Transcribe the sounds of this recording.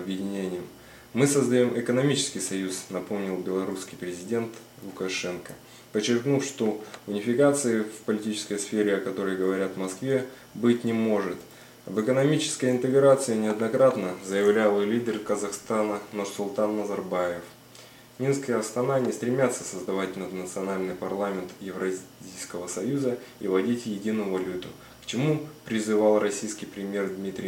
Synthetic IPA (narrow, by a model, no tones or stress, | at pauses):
ɐbjɪdʲɪnʲenʲɪjɪm | mɨsəzd̪ɐjo̞mʔɪkənɐmʲit͡ɕɪ̥skʲɪjsɐjusnɐpo̞mnʲɪlˠbʲɪlˠɐɾuskʲɪjpɾʲɪzʲɪdʲe̞nt̪ | lˠʊkɐʂɛnkə | pət͡ɕːɪrknufʂt̪o̞ʊnʲɪfʲɪkat̪sɨɪfpəlʲɪtʲit͡ɕɪ̥skəjsfʲeɾʲɪɐkɐt̪o̞ɾəjɡəvɐɾʲat̪mɐskvʲe̞ | bɨtʲnʲɪmo̞ʐɨt̪ | vɨkənɐmʲit͡ɕɪ̥skəjɪnt̪ɨɡɾat̪sɨɪnʲɪɐd̪nɐkɾat̪nəzəjɪvlʲalˠɨlʲidʲɪrkəzɐxst̪anənʊrsʊlˠt̪anːəzɐrbajɪf | mʲinskəjəɐst̪ɐnanʲɪst̪ɾʲɪmʲat̪sːəsəzd̪ɐvatʲnəd̪nət̪sɨɐnalʲnɨjpɐrlˠamʲɪnt̪jɪvɾɐzʲijskəvəsɐjuzəḭvɐdʲitʲjɪdʲinʊjʊvɐlʲut̪ʊ | kt͡ɕɪmupɾʲɪzɨvalˠrɐsʲijskʲɪjpɾʲɪmʲje̞rd̪mʲit̪ɾʲɪ